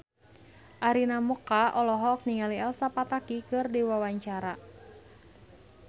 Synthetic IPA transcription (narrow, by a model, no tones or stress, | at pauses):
ʔaɾinamɔkaʔɔlɔɦɔk̚niŋaliɛlsapat̪akikɨrdiwawaɲt͡ʃaɾa